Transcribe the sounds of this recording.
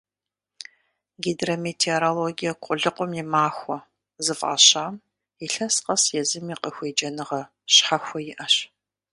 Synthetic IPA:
ɡedrometʰeoɾoloɡijɐkʷʼʊɮɨqʷʊmjɪmaːxʷɔ | zɨfa̰ːɕaːm | iɬɐsqɐsjɛzɨmiqʼəxʷeːd͡ʒɐnɨʁɐ | ɕħɐxʷɔjɪʔɐɕ

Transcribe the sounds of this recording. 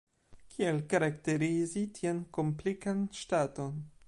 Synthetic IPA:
kʰielkaɾakte̞ɾizitʰienkomplikanʃtato̞n

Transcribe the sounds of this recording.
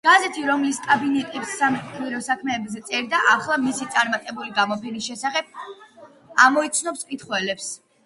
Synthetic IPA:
ɡ̥azɛt̪ʰiɾɔmliskʼabinɛt̪ʼipsːamɛiɾɔsakʰmɛːbzɛt̪sʼɛɾd̪aʔaχlˠamisit̪sʼaɾmat̪ʼɛbuliɡamɔpʰɛnisʃɛsaχɛb̥̚ | amɔit̪sʰnɔpskʼit̪χwɛlɛps

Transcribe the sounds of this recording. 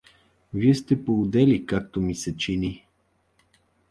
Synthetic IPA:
viɛst̪ɛpoʊd̪ɛlikak̚t̪omisɛt͡ʃini

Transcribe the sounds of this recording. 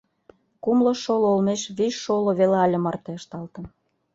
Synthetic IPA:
kumlɤʃoloolmeʃβiʃːoloβelɑlʲəmɑrt̪eəʃt̪ɑlt̪ə̆n

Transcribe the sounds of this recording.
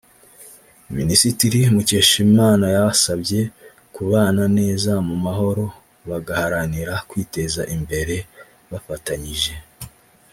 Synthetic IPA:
minisitiɾimuce̞ʃimaːnajaβasabje̞ | kuβaːnane̞ːzamumaɦo̞ɾo̞ | βaɡahaɾaniɾakwiːte̞zaʔimbe̞ɾe̞ | βafataɲiʒe̞

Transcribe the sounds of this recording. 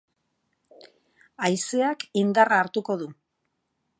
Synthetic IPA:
ajseakind̪araːɾt̪uko̞ðu

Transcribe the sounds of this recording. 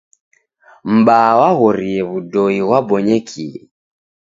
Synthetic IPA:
m̩ɓawaɣɔɾiɛβudɔiɣwabɔɲɛkʰiɛ

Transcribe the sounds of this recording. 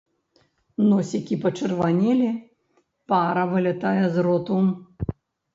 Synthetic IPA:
nɔsʲikʲipɐt͡ʂɨrvanʲɛlʲi | paɾɐvɨlʲɐt̪ajɛzɾɔt̪u

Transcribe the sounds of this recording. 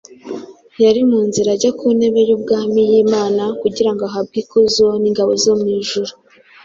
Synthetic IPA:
jaɾimuːnziɾaɟakune̞βe̞jub̚ɡaːmijeːmaːnakuɟiɾaŋɡoaɦab̚ɡikozo̞niŋɡaβo̞zomŋiːʒuɾu

